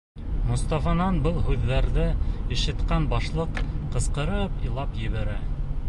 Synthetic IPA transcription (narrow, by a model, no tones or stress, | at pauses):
mŏst̪ɑfɑnɑnbɤlˠhʉðːæɾðɘɘ̆ʃɘ̆t̪qɑnbɑʃlˠɤqqɤ̆sqɤ̆ɾɤpilˠɑpjɘ̆βæɾæ